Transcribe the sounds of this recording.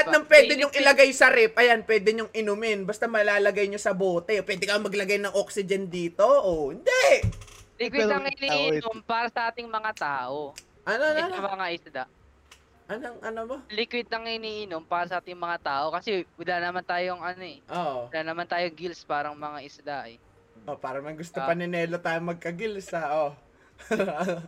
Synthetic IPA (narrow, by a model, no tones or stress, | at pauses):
ɐt̪nɐŋpwɛːd̪ɛɲoŋʔɪlɐɡajsɐɾɛp̚ʔɐjanpwɛːd̪ɛɲoŋʔɪnomɪnbɐst̪ɐmɐlaːlɐɡajɲosɐboːt̪ɛopwɛːd̪ɛkɐjɐŋmːɐɡlɐɡajnɐŋʔok̚sɪd͡ʒɛnd̪iːt̪o̞ʔohɪnd̪ɛ | lɪkwɪt̪ɐŋhɪniːʔnompaːɾɐsɐʔaːt̪ɪŋmɐŋat̪aːʔo̞ | ʔɐnomɐŋaʔɪsd̪aʔ | ʔɐnoŋʔɐnobolɪkwɪt̪̚ːɐŋhɪniːʔɪnompaːɾɐsɐʔaːt̪ɪŋmɐŋat̪aːʔo̞kɐsɛwɐlanɐmant̪aːjoŋʔɐnoʔɛʔoʔɪlanɐmant̪aːjoŋɡilspaːɾɐŋmɐŋaʔɪsd̪aʔɛ̰ | ʔopaːɾɐmɐjɡʊst̪opɐnɪnɛːlot̪aːjoŋmɐɡ̚kɐɡilsɐʔo